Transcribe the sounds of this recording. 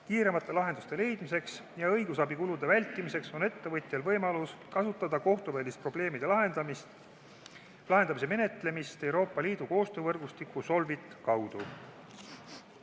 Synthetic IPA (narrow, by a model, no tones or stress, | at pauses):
kiːɾe̞mɑt̪ːˑe̞lɑɦe̞nd̪̥ust̪e̞le̞jd̪̥mise̞ks | jɑɤjɡusɑbikulud̪e̞vælʲt̪ˑːimise̞kso̞ne̞t̪ːe̞vɤt̪ʲˑjɑlvɤjmɑluskɑsut̪ːˑɑd̪̥ɑko̞ht̪uvæːlʲist̪̚pro̞b̥le̞ːmid̪̥e̞lɑɦe̞nd̪̥ɑmist̪ | lɑɦe̞nd̪̥ɑmis̬e̞me̞ne̞t̪ˑle̞mist̪e̞wɾo̞ːpːˑɑliːd̪̥uko̞ːst̪øːvɤrɡ̥ust̪ikːˑuso̞lvit̪ˑkɑwd̪̥u